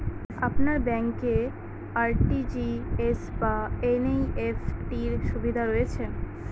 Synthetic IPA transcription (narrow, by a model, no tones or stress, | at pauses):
apnaɾbɛŋke | aɾʈid͡ʑiesbaenejefʈiɾʃubid̪ʱaɾoet͡ɕʰen